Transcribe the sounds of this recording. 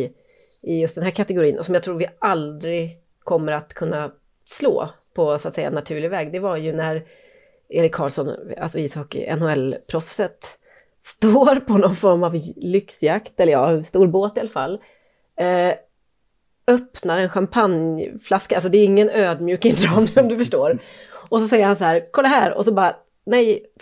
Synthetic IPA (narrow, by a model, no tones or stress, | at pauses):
ɪjɵst̪d̪ɛnɦæːɾkʰat̪ɛɡʊɾiːənʔɔsɔmjat̪ʰɾuːɾvɪald̪ɾɪ | kʰɔmːəɾat̪kʰɵnːa | slo̰ː | pʰɔsʊat̪sɛja̰nat̪ʰʉ̟ːɭɪɡvɛːɡd̪ɛvaɾjɵnæɾ | eːɾɪkʰːɑːlsɔna̰lsɔiːshɔkɪ̰ɛ̰nhʊɛlpʰɾɔfsət̪ | st̪oːɾpʰɔnɔnfɔɾmavlʏksjakt̪ɛlːɾjɑ̰ːst̪uːɾboːt̪ɪalafalː | œpnaɾɛnɧampʰanjflaskaalsɔd̪ɛæːɾɪŋːənøːd̪mjʉːk̪ɪŋd̪ɾɑːmɔmd̪ɵfœʂʈoːɾɔsɔsɛjːəɾhansahæːɾkʰɔld̪aɦæːɾɔ̰sɔbɑːɾa | nɛj